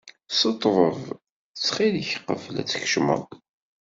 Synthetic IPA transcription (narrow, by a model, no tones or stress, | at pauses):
sət̪ˤːʁˤəv | t͡sːχiləçqə̰vlæ̰t͡sːçʃmə̰